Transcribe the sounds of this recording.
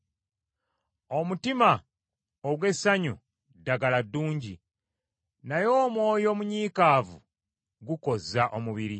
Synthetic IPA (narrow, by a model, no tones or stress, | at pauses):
o̞mutima | oβwe̞saɲu | dːaɡaladːuːɲɟi | najo̞ːmwo̞ːjo̞ːmuɲiːkaːvṵ | ɡuko̞zaʔo̞muβiɾi